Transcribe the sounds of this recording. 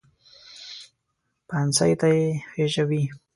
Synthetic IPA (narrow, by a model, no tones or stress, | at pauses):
pansajt̪ajexeʒawi